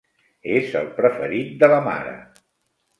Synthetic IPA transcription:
ezə̰lˠpɾəfəɾit̪̚d̪ələma̰ɾə̰

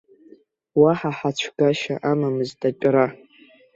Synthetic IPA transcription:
waħaħat͡ʃʷʰɡaʃa̰ʔamamɨztʼat͡ʃʲʼra

